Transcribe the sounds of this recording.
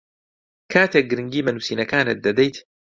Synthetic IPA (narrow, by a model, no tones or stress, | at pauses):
kʰaːt̪ʰek̚ɡɨɾɨŋɡiːmɐnusiːnɐkaːnɨt̪̚d̪ɐd̪ejt̪